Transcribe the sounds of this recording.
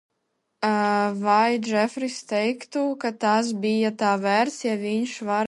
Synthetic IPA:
vajd͡ʒɛfɾist̪ɛjkt̪ukat̪as̬bʲijat̪aːvæɾt̪sjavʲiɲʃvaɾ

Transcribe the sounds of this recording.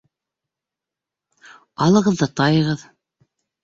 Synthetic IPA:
ɑlˠɤ̆ʁɤ̆ðːɤt̪ɑjɤ̆ʁɤð

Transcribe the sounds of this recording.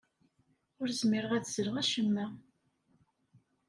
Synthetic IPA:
ʊɾzmiɾəʁæðzəɾəʁæʃəmːæ

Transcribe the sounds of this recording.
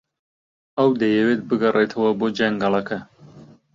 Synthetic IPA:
ɐwd̪ɐjɛwet̪̚bɨɡɐrʔet̪ʰɐwɐboːd͡ʒɐŋɡɐlˠɐkʰɐ

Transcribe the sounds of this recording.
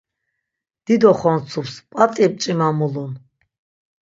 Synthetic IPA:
d̪̥id̪ɔχɔnt͡sʰupspʼat̪ʼiɛp̚ʼt͡ʃʼimamulun

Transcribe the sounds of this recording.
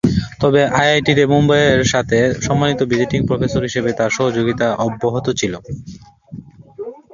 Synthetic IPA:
t̪ɔbeʔajajʈit̪emumbajeɾʃat̪ʰeʃɔmːanit̪obid͡ʑiʈiŋpɾofesoɾɦiʃebet̪aɾʃɔɦod͡ʑoɡit̪aʔɔbːoɦot̪ot͡ɕʰilo

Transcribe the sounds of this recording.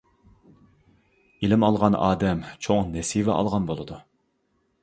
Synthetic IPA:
ilɪmɑlˠʁɑnɑ̰ːd̪ɛmt͡ʃʰoŋnɛsivɛ̰ʔɑ̰lˠʁɑnbolˠɨd̪u

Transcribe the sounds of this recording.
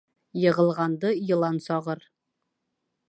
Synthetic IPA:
jɤ̆ʁɤ̆lˠʁɑnd̪ɤjɤ̆lˠɑnsɒʁɤɾ

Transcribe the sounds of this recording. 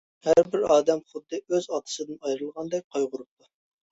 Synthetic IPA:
hæɾbɪɾɑːd̪ɛmχʊd̪ːɨøzɑt̪ʰə̥sɨd̪ɨnɑjɾɨlˠʁɑnd̪ɛk̚ʲqʰɑjʁʊɾup̚t̪ʰu

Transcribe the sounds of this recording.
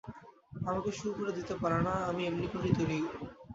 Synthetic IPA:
amakeʃukoɾed̪it̪epaɾenaamiemnikot̪it̪olijo

